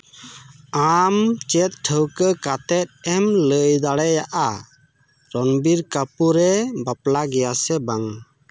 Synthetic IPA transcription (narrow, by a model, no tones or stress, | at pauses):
amt͡ʃɛt̪̚ʈʰəwkəkat̪ɛt̪̚ɛmləjd̪aɽɛjaʔa | ɾɔnbiɾkapuɾɛbaplaɡɛjasɛbaŋ